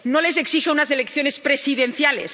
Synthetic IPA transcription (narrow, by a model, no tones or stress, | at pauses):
nole̞s̬eksixeunas̬elekθjonespɾesiðenθjalḛs